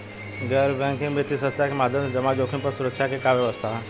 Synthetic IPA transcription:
ɡɛːɾbɛ̃ŋkĩŋbet̪isɐt̪akemaːd̪ʱəmd͡ʒɐmad͡ʒoːkʰinpɐɾsuɾəkʃʰakekaʋjɐʋəst̪ʰa

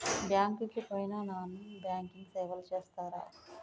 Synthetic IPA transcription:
bjaːŋkiŋkipojinaːnaːnubjaːŋkiŋɡseːʋɐlt͡ʃeːst̪aːɾa̰ː

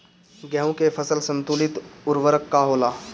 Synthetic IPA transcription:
ɡɛːɦõkefʰəsəlsə̃nt̪uːlɪt̪ʊɾʋəɾəkːaɦoːlaː

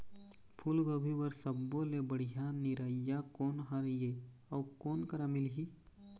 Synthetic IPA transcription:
pʰulɡəbʱibəɾsəbːolebəɽ̤ijaniɾaijakoːnɦaɾje | ɔːkoːnkəɾamɪlɦi

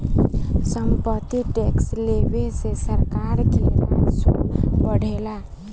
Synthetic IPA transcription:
səmpət̪ːiʈekslebesesəɾkaɾkeɾa̰sobəɽ̤ʱela

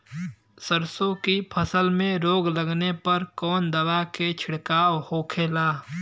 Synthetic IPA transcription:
səɾsõkipʰəsəlmẽɾoːɡləɡnepɐɾkɔːnd̪ɐwaket͡ʃʰɪɽkaːwhoːkʰeːlaː

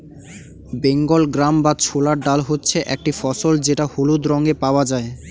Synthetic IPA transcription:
beŋɡolɡɾambat͡ɕʰolaɾɖalɦotːɕʰeʔɛk̚ʈifɔsold͡ʑeʈahulud̪ɾɔŋɡepaoad͡ʑae

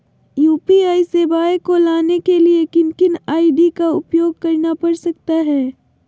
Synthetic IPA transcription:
juːpiaːisebaːjekolaːnekeliekɪnkɪnaːiɖikaʊpjoːɡ̚kɐɾnapɐɾsɐk̚t̪aɦɛː

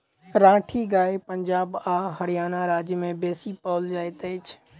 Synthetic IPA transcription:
ɾãːʈʰiɡaːepəɲd͡ʒaːbaːɦəɾijaːnaɾaːd͡ʒjəmẽbeːsipɔːld͡ʒaːjt̪əɪt͡ʃʰ

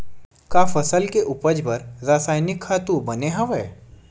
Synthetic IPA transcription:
kaːfəsəlkeʔʊpəd͡ʒbəɾɾaːsaːjnɪkʰːaːt̪ũbəneɦɐʋeː

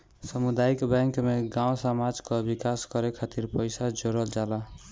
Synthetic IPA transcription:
səmud̪aikbɛ̃ŋkmeɡãõsamad͡ʒkɔbikaskəɾekʰat̪iɾpəjsad͡ʒoɾəld͡ʒala

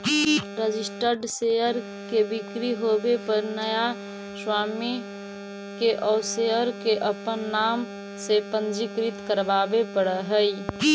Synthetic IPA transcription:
ɾəd͡ʒisʈəɾɖseəɾ | kebikɾiɦobepəɾnəja | swaːmi | keʔɔːɾseɦəɾkeʔəpənːam | sepənd͡ʒikɾit̪kəɾbabepəɽəɦəj

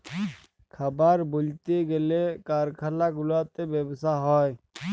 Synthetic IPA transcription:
kʰəbəɾbʊlt̪eɡelekaɾkʰalaɡʊlat̪ebjebsaɦɔːj

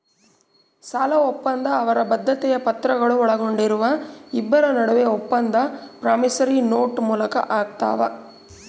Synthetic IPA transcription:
saːlɐopːɐnd̪ɐːʋɐɾɐbɐd̪ʱːɐt̪ɛjɐpɐt̪ɾɐɡɐɭuɔɭɐɡo̞ɳɖiɾuʋɐibːɐɾɐnɐɽuʋeopːɐnd̪ɐpɾaːmisɐɾinoːʈmuːlɐkɐ̰ʔaːɡt̪a̰ːʋɐ̰

